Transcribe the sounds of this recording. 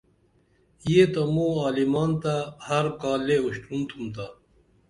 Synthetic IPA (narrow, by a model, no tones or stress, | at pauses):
jeːt̪amoːaːlimaːnt̪ahɐɾkaːlːeuɕʈunt̪ʰumt̪a